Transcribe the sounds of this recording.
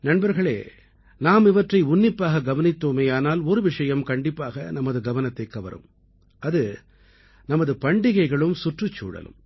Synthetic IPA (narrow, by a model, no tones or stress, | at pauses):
nɐnbɐɾɣɐɭḛː | naːmɪʋɐʈrɐɪʊnːɪpːaːɣɐɡɐʋɐnɪt̪ːoːmeːaːnaːlɔɾɯʋɪʂɐjɐmkɐɳɖɪpːaːɣɐnɐmːɐðɯɡɐʋɐnɐt̪ːɐɪkːɐʋɐ̰ɾɯ̰m | ɐðɯ | nɐmɐðɯpɐɳɖɪɣɐɪɣɐɭɯmsʊʈrɯt͡ʃːṵːɽɐ̰lɯ̰m